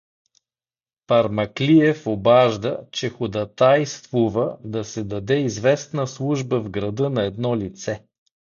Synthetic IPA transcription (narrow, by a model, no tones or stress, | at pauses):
pɐɾmɐkliɛfobaʒd̪ət͡ʃɛxʊd̪ɐt̪ajst̪vuvəd̪ɐsɛd̪ɐd̪ɛizvɛsnəslˠuʒbəvɡɾɐd̪ɤnɐɛd̪nɔlit̪sɛ